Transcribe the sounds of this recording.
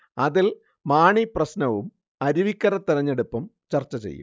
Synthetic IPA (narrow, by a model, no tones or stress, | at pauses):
ɐðil | maːɳiprɐsnɐʋum | ɐɾuʋikʲːɐɾɐt̪ːiɾɐɲːeɽupːɐmt͡ɕɐrt͡ɕːɐt͡ɕḛjːṵmm